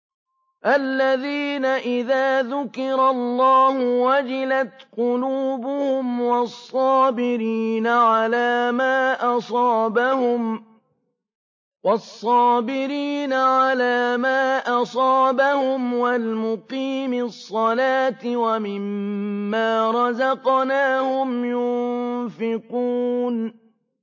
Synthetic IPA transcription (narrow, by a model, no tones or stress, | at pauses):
ʔalːaðiːnaʔɪðaːðʊkɪɾˤɑlːɑːhʊwad͡ʒɪlat̪qʊluːbʊhʊmwɑsˤːɑːbɪɾiːnaʕalaːmaːʔɑsˤɑːbahʊm | wɑsˤːɑːbɪɾiːnaʕalaːmaːʔɑsˤɑːbahʊmwalmʊqiːmɪsˤːɑlaːt̪ɪwamɪmːaːɾˤɑzɑqnaːhʊmjʊnnfɪquːn